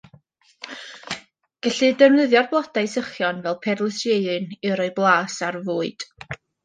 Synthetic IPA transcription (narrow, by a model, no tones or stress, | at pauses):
ɡ̥ɛɬɨdəvnəðjɔrblˠɔdajsəχjɔnvɛlˠpʰɛrlˠəsjeɨɾɨnɨɾɔɨblˠaːsarvuːɨd̥